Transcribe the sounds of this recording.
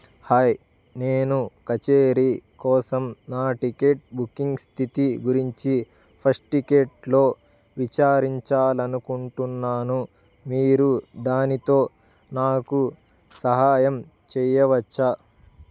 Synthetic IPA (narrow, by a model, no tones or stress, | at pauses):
haj | neːnukɐt͡ʃeːɾikɔːsɐmnaːʈike̞ʈ̚bukːiŋɡst̪ʰit̪iɡuɾiɲt͡ʃi | pʰɐsʈikeʈlo̞ː | ʋit͡ʃaːɾiɲt͡ʃaːlɐnukuɳʈunːaːnu | miːɾud̪aːnit̪o̞ː | naːku | sɐɦaːjɐm | t͡ʃɛjɐʋɐt͡ʃːa